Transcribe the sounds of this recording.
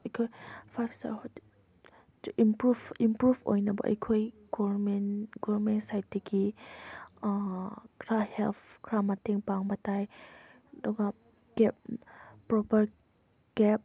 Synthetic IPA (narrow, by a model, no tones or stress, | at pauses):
ɐjkʰojpʰasa̰ | ʔimpɾubimpɾubo̰jnɐbɐ̰ʔɐ̰jkʰoj | ɡɔmenɡɔbɾmentsajt̚dɐɡi | kʰɾahelpʰkʰɾamateŋpaŋbɐtaj | dɔɡa | ɡ̥ɛp̚pːɾɔpɐɾ | ɡ̥ɛp̚